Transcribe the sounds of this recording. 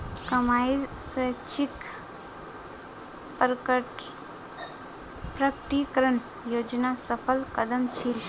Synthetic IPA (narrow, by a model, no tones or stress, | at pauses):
kɐmaiɾswət͡ʃʰik | pɾʈ | pɾɐkʈikɾən | joːd͡ʒnasəpʰəlkɐd̪əmt͡ʃʰil